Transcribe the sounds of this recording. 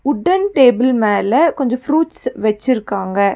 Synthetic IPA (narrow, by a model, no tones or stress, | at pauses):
ʊɖːɐnʈeːbɪlmeːlɐkɔɲd͡ʒɔ̃fɾuːʈsʋɛt͡ʃːɪɾɯkːaːŋɡɐ